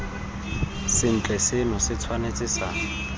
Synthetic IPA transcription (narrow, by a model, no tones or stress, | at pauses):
sɪn̩t͡ɬʼɛsɪnʊsɪt͡sʰwanet͡sʼɪsaː